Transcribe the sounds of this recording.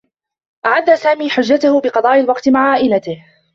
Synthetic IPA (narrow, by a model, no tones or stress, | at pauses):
ʔaʕad̪ːasaːmiːħʊd͡ʒːat̪ʊhʊbɪqɑd̪ˤɑːʔalwɑqt̪maʕʕaːʔɪlat̪ɪh